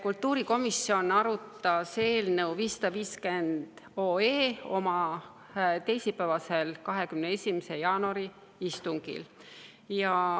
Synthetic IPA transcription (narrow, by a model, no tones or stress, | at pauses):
kult̪ːˑuːɾiko̞misːio̞nɑɾut̪ːˑɑseːlnewviːsːɑd̪̥ɑviːske̞nd̪̥o̞ːeːo̞mɑ | t̪e̞jsipævɑse̞lkɑɦe̞kymneesʲimese̞jɑːnuɑɾi | ist̪uŋɡḭl | jɑ